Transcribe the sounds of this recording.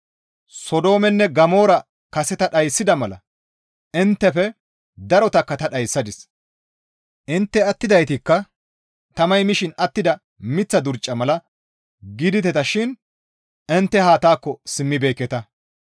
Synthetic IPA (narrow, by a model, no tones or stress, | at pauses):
sɔd̪o̞ːmɛnːɛɡɐmo̞ːɾɐ | kɐsɛt̪ɐɗɐjsːɪd̪ɐmɐlɐ̰ | ɪnt̪ːɛfɛ | d̪ɐɾɔt̪ɐkːɐt̪ɐɗɐjsːɐd̪ɪs | ʔɪnt̪ːɛɐt̪ːɪd̪ɐjt̪ɪkːɐ | t̪ɐmɐjmɪʃɪnɐt̪ːɪd̪ɐ | mɪt͡sːɐd̪ʊɾt͡ʃʼːɐmɐlɐ | ɡɪd̪ɪt̪ɛt̪ɐʃɪn | ɛnt̪ːɛhaːt̪aːkːɔsɪmːɪbeːkːɛt̪ɐ